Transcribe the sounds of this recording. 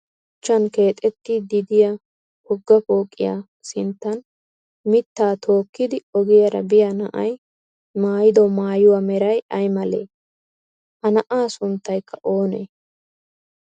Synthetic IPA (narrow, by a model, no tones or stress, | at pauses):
ʊt͡ʃːɐnke̞ːt̪ʼɛt̪ːɪd̪ɪd̪ɪja | hɔɡːɐpo̞ːkʼːɪ̰ja̰ː | sɪnt̪ːɐn | mɪt̪ːaːt̪ʰo̞ːkːɪd̪ɪɔɡɪjɐɾɐ̰bɪjanɐ̰ʔɐ̰j | maːjɪd̪ɔmaːjʊwamɛɾɐjɐjmɐlḛː | ʔɐnɐʔaːsʊnt̪ːɐjkʰːɐʔo̞ːnḛː